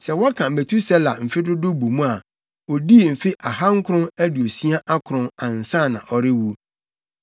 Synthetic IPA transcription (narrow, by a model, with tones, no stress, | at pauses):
sɛ˨wɔ˦kʰã˨m̩˨e˨tʰu˦sɛ˦la˨m̩˨fɪ˦dʊ˦dʊ˦bu˨mũ˦a˨ | ɔ˨di˦˨m̩˨fɪ˦ʔa˨ɦã˦ŋ̩˦kʰʊ˦ɾʊ̃˦næ˦dɪ˨o˨si˦a˦ʔa˦kʰʊ˨ɾʊ̃˦nã˨n̩˨sã˦˨nã˨ʔɔ˨ɾɪ˦wu˦